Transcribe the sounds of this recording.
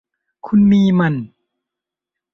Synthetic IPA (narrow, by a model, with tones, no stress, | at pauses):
kʰu˧˥nmiː˧ma˧˨n